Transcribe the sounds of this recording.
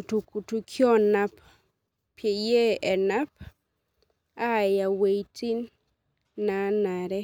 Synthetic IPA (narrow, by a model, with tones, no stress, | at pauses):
tu˨ku˨tu˨kʰjɔ˦na˦p | pje˨je˦ɛ˨na˦p̚ | a˦ja˨we˨jti˦nː | a˨˦na˨ɾɛ˦